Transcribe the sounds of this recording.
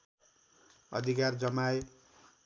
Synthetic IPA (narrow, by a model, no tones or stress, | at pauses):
ʌ̰d̪ʱikard͡zʌmae